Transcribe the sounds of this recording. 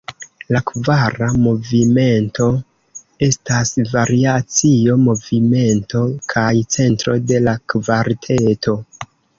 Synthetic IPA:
lakvaɾamo̞vime̞nto̞ | e̞stasvaɾiat͡sio̞mo̞vime̞nto̞kʰajt͡se̞ntɾo̞de̞lakvaɾtʰetʰo̞

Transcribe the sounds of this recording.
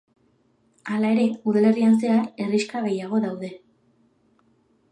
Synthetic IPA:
alae̞ɾe̞uðale̞rians̬e̞ae̞riʃkaɣe̞jaɣ̞o̞ðawðe̞

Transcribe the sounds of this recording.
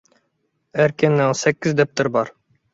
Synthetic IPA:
æɾkʲenːɛŋsɛkʲːɪzd̪ɛp̚t̪ɪɾbɑɾ

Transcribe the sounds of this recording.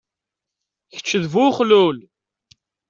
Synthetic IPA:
çə̥t͡ʃːəðvuχlul

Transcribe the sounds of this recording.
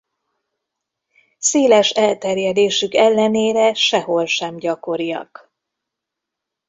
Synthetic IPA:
seːlɛʃɛlt̪ɛrjɛd̪eːʃykɛlːɛneːɾɛʃɛɦo̞lʃɛmɟɒko̞ɾijɒ̰k

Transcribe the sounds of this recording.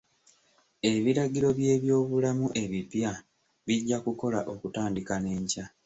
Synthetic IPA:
e̞βiɾaɡiɾo̞βje̞ːβjo̞ːβulamuʔe̞βipja | βiɟːakuko̞laʔo̞kutaːndikane̞ːɲca

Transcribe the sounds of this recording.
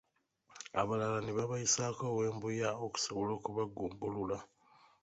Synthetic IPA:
a̰βalalaneβaβajisaːkoːwe̞ːmbujaoku̥soβolo̞ːkuβaɡuːmbulula

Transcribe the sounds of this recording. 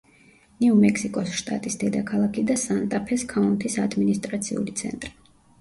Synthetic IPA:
nɛumɛksikʼɔsʃt̪ʼa̰t̪ʼisd̪ɛd̪akʰalˠakʰid̪asant̪ʼapʰɛskʰaunt̪ʰisad̪minist̪ʼɾat̪sʰḭṵlit̪sʰɛ̰nt̪ʼɾi

